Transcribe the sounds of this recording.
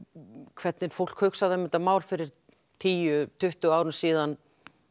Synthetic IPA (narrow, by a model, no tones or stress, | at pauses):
kʰv̥ɛt̪nɪnfowl̥khœɥksaðɛmɪnt̪amaːwlfɪɾɪɾ̥ | t̪ʰiːjʏt̪ʰʏht̪ʏaːwɾʏnsiːðan